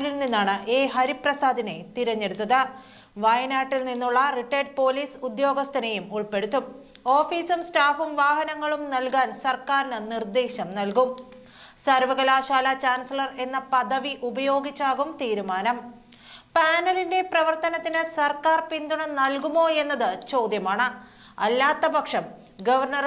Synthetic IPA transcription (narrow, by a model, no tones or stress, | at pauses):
lilninːaːɳɨʔeːɦɐɾiprɐsaːd̪ʱine̞t̪iɾɐɲːe̞ɽut̪ːɐðɨ | ʋɐjnaːʈːilninːuɭːɐriʈːeːɖ̚po̞ːliːsud̪jo̞ːɡɐst̪ʰɐnɐjumuɭpe̞ɽut̪ːum | o̞ːfiːsumstaːfumʋaːɦɐnɐŋːɐɭumnɐlkaːnsɐrkaːɾinɨnird̪eːɕɐmnɐlkum | sɐrʋɐɣɐlaːɕaːlɐt͡ɕaːnsilɐre̞nːɐpɐðɐʋiʔubɐjo̞ːɡit͡ɕːaːɣumt̪iːɾumaːnɐm | paːnɐlinde̞prɐʋɐrt̪ɐnɐt̪ːinɨsɐrkaːrpind̪uɳɐmnɐlkumo̞ːe̞nːɐðɨt͡ɕo̞ːd̪jɐmaːɳɨ | ɐ̰lːaːt̪ːɐbɐkʂɐm | ɡɐʋɐrɳɐr